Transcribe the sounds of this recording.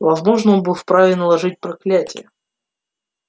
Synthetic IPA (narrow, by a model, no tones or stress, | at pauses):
vɐzmo̞ʐnəonbɨlˠfpɾavʲɪnəlˠɐʐɨt̚ʲpɾɐklʲætʲɪ̰jə